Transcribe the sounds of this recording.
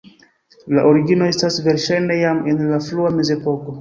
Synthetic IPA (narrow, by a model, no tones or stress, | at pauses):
laʔo̞ɾiɡino̞e̞stasve̞ɾʃajne̞jamenlafluame̞ze̞po̞ko̞